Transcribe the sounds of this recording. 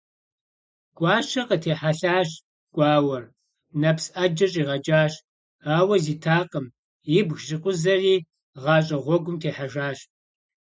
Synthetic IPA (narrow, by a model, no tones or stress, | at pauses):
ɡ̥ʷʼɑːʃɐqətʰeːħaɬaːɕ | ɡʷʼɑːwɐr | nɐpsɐd͡ʒɐɕʼiːʁɐd͡ʒʼaːɕ | aːwɐziːtʰaːqʼəm | jɪbɣʒɪqʷʼʊzɐriː | ʁɑːɕʼɐʁʷɔɡʷʊmtʰeːħaʒaːɕ